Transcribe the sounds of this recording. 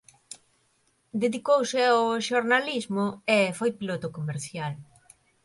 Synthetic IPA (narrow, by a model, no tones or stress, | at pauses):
d̪eðikowsɪaoʃoɾnalizmoʊefojpilot̪okomeɾθjal